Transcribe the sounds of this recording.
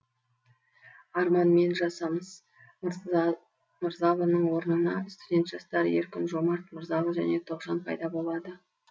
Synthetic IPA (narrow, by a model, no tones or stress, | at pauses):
ɑɾmɑnme̞nʒɑsɑməz̥ | məɾzɑlˠənəɴwo̞ɾənənɑɪst̪ud̪ʲe̞nt̪ʒ̥ɑst̪ɑɾjḛɾkʲɪnʒo̞mɑɾt̪məɾzɑlˠəʒæne̞t̪ʰo̞qʒɑnpʰɑ̰jd̪ɑbolˠɑd̪ə